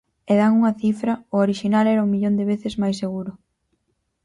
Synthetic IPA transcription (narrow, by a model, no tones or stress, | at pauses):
eðaŋuŋɐθifɾɐʊoɾiʃinalɛɾɐuŋmiʎond̪ɪβeθɪzmajseɣuɾʊ